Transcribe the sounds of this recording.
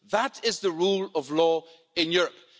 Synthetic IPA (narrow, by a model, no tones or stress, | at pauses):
ðəɾɪzðəɹulˠʌvlɔ | ɪ̃njʊɹəp̚